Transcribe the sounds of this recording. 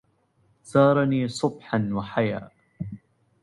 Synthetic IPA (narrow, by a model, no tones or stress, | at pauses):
sɑːɾˤɑniːsˤʊbħanwaħajaː